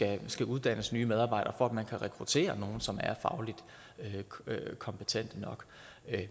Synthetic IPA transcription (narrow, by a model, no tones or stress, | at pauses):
æsɡ̥æʔuð̞ˠd̥æn̰əsnyːmeð̞ˠɑ̈ːbɑ̈ɪ̰d̥ɐfɒ̽æd̥mænkʰæʁɛkʰʁut͡sʰe̝̰ːɐno̝ːn̩sɒ̽mæɐfɑ̈ʊlid̥ | økʰɒ̽mpʰət͡sʰen̰d̥ənɒ̽ɡ̥